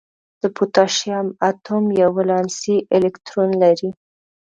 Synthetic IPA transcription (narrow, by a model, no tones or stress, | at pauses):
d̪̥əput̪ɑʃjɑmat̪omjawːalɑnsiʔɪlɪkt̪ɾonlaɾi